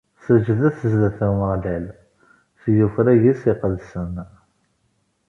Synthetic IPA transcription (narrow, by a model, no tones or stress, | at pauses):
səʒðæθəzðæθəməʁlæl | sjufɾæjisiqəlsən